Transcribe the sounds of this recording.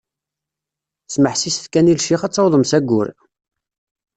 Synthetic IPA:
sməħsisθkænilʃiχɑt͡sːɑwðˤəmsæɡːʊ̰ɾ

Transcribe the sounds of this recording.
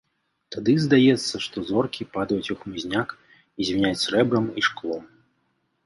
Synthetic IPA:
t̪ad̪ɨzd̪ajɛt̪sːɐʂt̪ɔzɔrkʲipad̪ɐjut͡sʲuxmuzʲnʲak | izʲvʲinʲat͡sʲrɛbɾɐmiʂklˠɔm

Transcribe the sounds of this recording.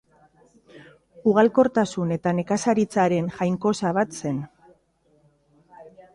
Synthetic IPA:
uɣalko̞ɾt̪asune̞t̪ane̞kasaɾit͡saɾe̞nʝajŋko̞saβ̞at̪se̞n

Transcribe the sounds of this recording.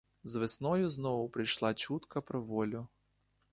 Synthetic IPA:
zʋɪsnɔjʊznɔʋʊpɾɪjʃlˠat͡ʃut̪kɐpɾɔʋɔlʲʊ

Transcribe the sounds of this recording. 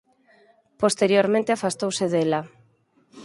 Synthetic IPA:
post̪eɾjoɾmẽnt̪eafast̪owseðela

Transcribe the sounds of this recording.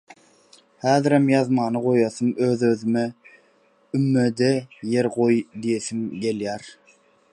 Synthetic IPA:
hæːðɪɾemjɑðmɑːnɯʁojɑθɯmøðøðyme | ymːød̪ejeɾʁojd̪ijeθimɡe̞ljæɾ

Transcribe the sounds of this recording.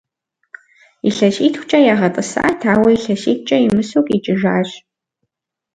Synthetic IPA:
iɬɐɕiːtxʷt͡ʃʼɐjaːʁɐtʼɨsa̰ʔatʰaːwɐiɬɐɕiːt̚ʰʷt͡ʃʼɐimɨsoːkʼit͡ʃʼɪʒaːɕ

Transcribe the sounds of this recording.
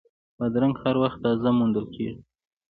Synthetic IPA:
pəd̪ɾaŋɡhaɾwaxt̪ːɑzamund̪əlkʰeʐi

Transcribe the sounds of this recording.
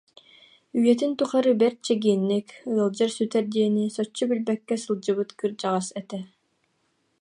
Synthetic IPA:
yjɛt̪int̪uχaɾɯbɛɾt̪̚t͡ɕɛɡiɛnːikɯɐlˠd͡ʑɯɾsyt̪ɛɾd̪iɛnisɔt͡ɕːubilbɛkːɛsɯlˠd͡ʑɯbɯt̪kɯɾd͡ʑaʁasɛt̪ɛ

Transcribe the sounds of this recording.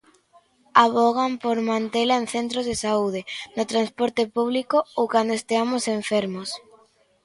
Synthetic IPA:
aβ̞ɔɣ̞ampoɾmãnt̪elaẽnθent̪ɾozðesauð̞enʊt̪ɾanspɔɾt̪ɪpuβ̞likoowkand̪oest̪eamoseɱfeɾmos

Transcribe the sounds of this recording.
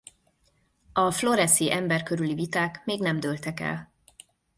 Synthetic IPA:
ɒflo̞ɾɛsiʔɛmbɛrkøɾylivit̪aːkmeːɡnɛmd̪ølt̪ɛkɛ̰l

